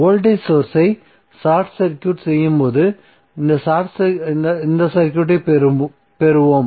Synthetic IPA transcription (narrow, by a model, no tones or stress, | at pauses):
oːlʈɐɪsoːɾsɐɪ | saːɾʈsɐɾkʲːjuːʈsɛjːɯmpoːðɯ | ɪnd̪ɐsaːʈsnɪnd̪ɐsɐɾkʲjuːʈ̬ːɐɪpɾ | pɛɾɯʋoːm